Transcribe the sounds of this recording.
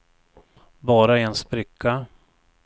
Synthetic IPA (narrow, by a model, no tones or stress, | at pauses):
bɑːɾaɛɛnspɾɪkʰːa